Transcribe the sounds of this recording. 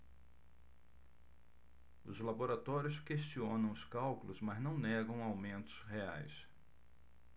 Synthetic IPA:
ʊ̰zlaboɾat̪ɔɾjʊskeʃt͡ʃiõnɐ̃w̃ʊskawkʊlʊzmɐznɐ̃w̃nɛɡɐ̃w̃awmẽnt̪ʊ̥zɦea̰js

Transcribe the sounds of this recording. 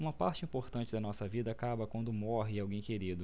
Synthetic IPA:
ũmɐpa̰ɾt͡ʃɪĩpoɾt̪ɐ̃nt͡ʃɪd̪ɐnɔsɐvid̪ɐaːkabɐkwɐ̃nd̪ʊmɔɦɪawɡẽj̃keɾid̪ʊ

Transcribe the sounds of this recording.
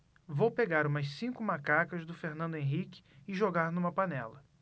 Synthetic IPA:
vowpeɡaɾũmɐssĩkʊmakakɐzd̪ʊfeɾnɐ̃nd̪ʊẽɦikɪ̥ɪʒoɡaɾnũmɐpanɛlɐ

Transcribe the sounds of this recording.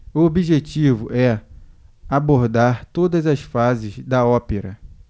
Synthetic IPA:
uobiʒet͡ʃivʊʔɛ | aboɾd̪aɾt̪od̪ɐzɐsfazɪzd̪ɐɔpeɾɐ

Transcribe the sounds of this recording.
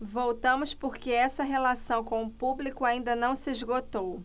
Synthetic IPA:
vowt̪ɐ̃mʊspoɾkeɛsɐɦelasɐ̃w̃kõw̃ʊpublikʊaĩnd̪ɐnɐ̃w̃sɪeʒɡot̪ow

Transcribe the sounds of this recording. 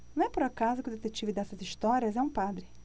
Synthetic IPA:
nɐ̃w̃ɛpoɾakazʊkɪʊd̪et̪et͡ʃivɪd̪ɛsɐziʃt̪ɔɾiɐzɛũpad̪ɾɪ

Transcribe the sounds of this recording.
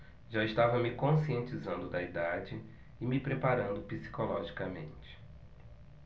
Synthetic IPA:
ʒaɪʃt̪avɐmɪkõsiẽnt͡ʃizɐ̃nd̪ʊd̪ɐid̪ad͡ʒɪː | mɪpɾepaɾɐ̃nd̪ʊpisi̥kolɔʒikɐmḛ̃nt͡ʃɪ̥

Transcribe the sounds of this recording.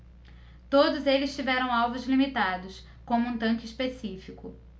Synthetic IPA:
t̪od̪ʊzelɪst͡ʃivɛɾɐ̃w̃awvʊzlimit̪ad̪ʊs | kõmʊũt̪ɐ̃kɪispesifikʊ

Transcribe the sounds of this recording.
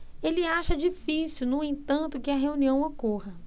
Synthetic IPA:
elɪaʃɐd͡ʒifisuwnũẽt̪ɐ̃nt̪ʊkɪɐɦeũniɐ̃w̃okohɐ

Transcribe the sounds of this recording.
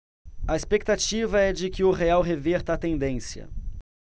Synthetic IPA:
ɐespek̚t̪at͡ʃivɐɛd͡ʒɪkɪʊʁeawɦeveɾt̪ɐːt̪ẽnd̪ẽsjɐ̰

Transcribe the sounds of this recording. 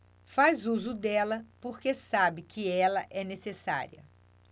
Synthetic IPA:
fajzuzʊd̪ɛlɐpoɾkesabɪkɪɛlɐʔɛnesesa̰ɾiɐ̰

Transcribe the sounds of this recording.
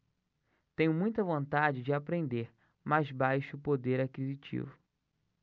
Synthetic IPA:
t̪ẽɲʊmũj̃t̪ɐvõnt̪ad͡ʒɪd͡ʒɪapɾẽnd̪eɾ | majzbajʃʊpod̪eɾakizit͡ʃḭvʊ

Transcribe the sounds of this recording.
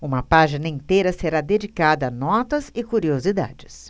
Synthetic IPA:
ũmɐpaʒinɐĩnt̪ejɾɐseɾad̪ed͡ʒikad̪ɐːnɔt̪ɐzɪkuɾiozid̪a̰d͡ʒɪs

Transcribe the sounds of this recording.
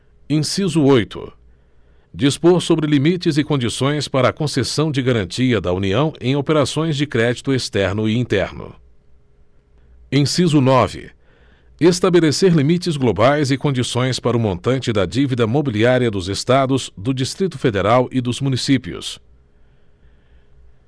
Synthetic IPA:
ẽsizuojt̪ʰʊ̰ | d͡ʒispoɾsobɾɪlimit͡ʃɪzɪkõnd͡ʒisõj̃spaɾɐːkõsesɐ̃w̃d͡ʒɪɡaɾɐ̃nt͡ʃiɐd̪ɐuniɐ̃w̃ẽj̃opeɾasõj̃zd͡ʒɪkɾɛd͡ʒit̪ʊest̪ɛɾnʊiĩnt̪ɛ̰ɾnʊ̰ | ẽj̃sizunɔvɪ̰ | est̪abeleseɾlimit͡ʃɪzɡlobajzɪkõnd͡ʒisõj̃spaɾɐʊmõnt̪ɐ̃nt͡ʃɪd̪ɐd͡ʒivid̪ɐmobiliaɾiɐd̪ʊzest̪ad̪ʊzd̪ʊd͡ʒist̪ɾit̪ʊfed̪eɾawʔid̪ʊzmũnisipiʊ̰s

